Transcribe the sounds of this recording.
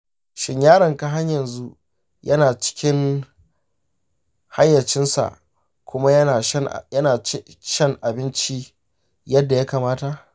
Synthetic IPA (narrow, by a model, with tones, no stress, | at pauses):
ʃɪ˦ɲjaː˦ɾɐ˨ŋka˦ɦa˦ɲjɐ˨nzu˦ | jɐ˦naː˨t͡ʃɪ̥˦kʲɪ˦ŋ | ha̰˦jːɐ˨t͡ʃɪ˦nsa̰˨ʔ | kʷʊ˦ma˦˨˦jɐ˦naː˨˦ | ʃɐ˦˨ŋʔa˨bɪ˦nt͡ʃi˦ | jɐ˦dːa˨ja˦kaː˨maː˦ta˨ʔ